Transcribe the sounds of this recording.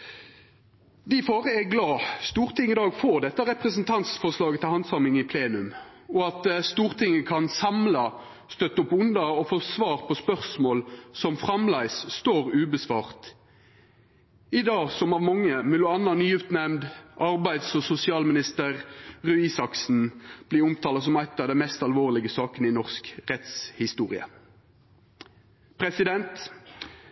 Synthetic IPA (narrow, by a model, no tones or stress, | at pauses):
d̪ɪfoːʁəɛɡlɑːst̪uːʁt̪ʰɪŋəɪd̪ɑːɡfoːʁd̪ɛt̪ːəʁɛpʁəsənt̪ʰɑnt̪sfɔslɑːɡət̪ʰɪlhɑnd̪sɑmɪŋɪpʰleːnʉm | ɔɑt̪st̪uːʁt̪ʰɪŋːəkʰɑnsɑmlɑ | st̪œt̪ːəʊpʊnd̪ɑɔfoːsʋɑːʁpʰɔspœʁsmoːlsɔmfʁɑmlæɪsst̪oːʁʉːbəsʋɑ̰ːʁt̪ | ɪd̪ɑːsɔmɑʋmɑŋːəmɛlʊɑnːɑnyːjʏft̪nɛmd̪ʔɑʁbæɪd̪sɔsʊsɪɑːlmɪnɪst̪əʁʁʉɪsɑksn̩b̥liːʊmt̪ʰɑːlɑs̬ɔmæɪt̪ːɑʋd̪ɛmɛst̪ɑlʋoːʁlɪɡəsɑːkənəɪnɔʁskʁɛt̪shɪst̪uːʁɪ̰ə̰ | pʰʁɛsɪd̪ɛnt̪